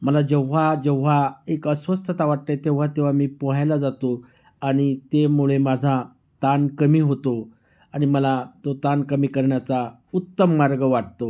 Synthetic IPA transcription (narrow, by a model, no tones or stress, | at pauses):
məlad͡ʑeʋ̤ad͡ʑeʋʋaekəsʋəst̪ət̪aʋaʈ̚lət̪eʋ̤at̪eʋ̤amiːpɔɦajlad͡zat̪o | aɽ̃it̪emuɭemad͡zʱa | t̪ankəmiːɦot̪o | aɽ̃iməlat̪ot̪ankəmiːkəɾɳjat͡sa | ut̪ːəmːaɾɡəʋaʈ̚t̪o